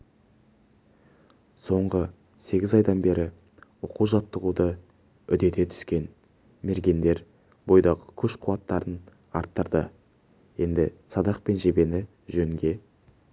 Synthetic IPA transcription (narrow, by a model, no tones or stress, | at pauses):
so̞ɴʁə | se̞ɡʲɪzɑjd̪ɑnbe̞ɾɪ | oquʒɑt̪ːəʁud̪ə | ʏd̪e̞t̪e̞t̪ʰʏ̥skʲe̞n | me̞ɾɡʲe̞nd̪e̞ɾ | bo̞jd̪ɑʁəkʲʰɵʃqʰʊwɑt̪ːɑɾən | ɑ̰ɾt̪ːəɾd̪ə̰ | je̞nd̪ɪsɑd̪ɑqpe̞nʒe̞be̞nɪ | ʒɵŋɡʲe̞